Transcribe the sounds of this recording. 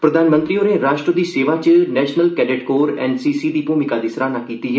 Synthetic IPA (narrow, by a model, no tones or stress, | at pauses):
pɾəd̪aːnmə̃nt̪ɾiːoːneːɾaːʃʈɾəd̪iːseːʋaːt͡ʃnɛːʃnəlkɛːɖɪʈkoːɾɛːnsiːsiːd̪iːpuːmɪkaːd̪iːsɾaːnãːkiːt̪iːɦɛ